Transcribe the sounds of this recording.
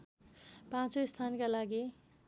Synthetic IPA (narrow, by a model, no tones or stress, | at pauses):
pãt͡soist̪ʰankalaɡi